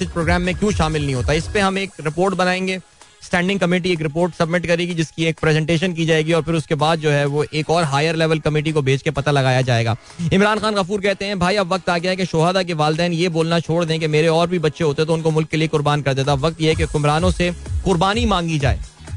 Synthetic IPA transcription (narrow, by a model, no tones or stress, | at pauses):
ɪt͡ʃpɾoːɡɾɛːmːẽkjũːʃaːmɪlnɐɦĩɦoːt̪aɪspeɦɐmeːkɾɪpoːɾʈbɐnaːẽːŋɡeː | sʈɛ̃ːɳɖɪ̃ŋkɐmeːʈ̬ieːk̬ɾɪp̬oːɾʈsɐbmɪʈkɐɾeːɡid͡ʒɪskieːk̚pɾɛzɛ̃ɳʈeːʃ̬ənk̬id͡ʒaːeːɡiɔːɾfɪɾʊskebaːd̪̚d͡ʒoːɦɛʋoʔeːkɔːɾɦaːjəɾlɛːʋəlkɐmɪːʈ̬ikobʱeːt͡ʃkepɐt̪alɐɡaːjad͡ʒaːeːɡaː | ɪmɾaːnxaːnɣɐfuːɾkɛɦt̪eɦɛ̃bʱaːiɐbʋɐk̚t̪aːɡjaɦɛkeʃʊːɦaːd̪ak̬eʋaːld̪ɛːnjeboːlnat͡ʃʰoːɽd̪ẽk̬emeːɾeɔːɾbʱibɐt̪ːʃeɦoːt̪eɦɛt̪oʊnkomʊlkːeliekʊɾbaːnkɐɾd̪eːt̪aʋɐk̚t̪jeɦɛkekʊmɾaːnõsekʊɾbaːnimãːŋɡid͡ʒa̰ːḛː